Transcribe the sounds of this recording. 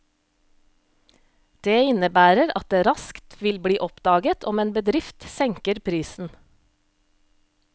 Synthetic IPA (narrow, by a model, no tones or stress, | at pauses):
d̪̥eːɪnəbæːɾəɾɑ̰t̪̚d̪eːɾɑskt̪ʋɪlbɽiːʔɔpd̪ɑːɡət̪ʰɔmeːnbəd̪ɾɪft̪sɛŋkəɾpʰɾiːsn̩